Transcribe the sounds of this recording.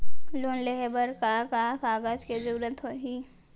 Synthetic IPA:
loːnleɦebəɾkakakaːɡaːd͡ʒked͡ʒuːɾət̪ɦoɦiː

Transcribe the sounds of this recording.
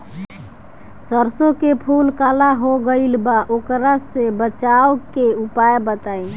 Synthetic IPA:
səɾsokepʰulkalaɦoɡəɪlbaʔokɾasebət͡ʃaokeupaebət̪ain

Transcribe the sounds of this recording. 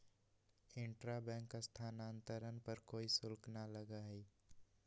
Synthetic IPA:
ɪ̃ɳʈɾabɛ̃ːŋkːast̪ʰaːnaːnt̪əɾənpəɾkoːisʊlknaləɡaɦɛ

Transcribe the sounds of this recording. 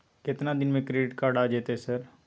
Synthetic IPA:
kɪt̪nad̪ɪnmẽkɾeɖɪʈkaɾɖad͡ʒeːt̪esəɾ

